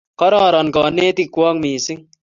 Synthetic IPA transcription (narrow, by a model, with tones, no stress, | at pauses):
kɐ˦ɾaː˨ɾɐ˨nka˨neː˦t̪i˨kwa˦ŋmiː˨si˦ŋ